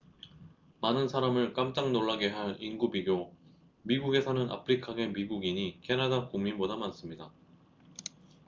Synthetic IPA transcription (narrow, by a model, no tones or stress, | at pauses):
manɯnsʰaɾamɯɭk͈amt͡ɕ͈aŋnoɭːaɡe̞ɦaɾinɡubiɡjo | miɡuɡe̞sʰʌnɯnʔa̰pʰɯɾikʰaɡe̞miɡuɡiɲikʰe̞nadakuŋminbodamans͈ɯmɲida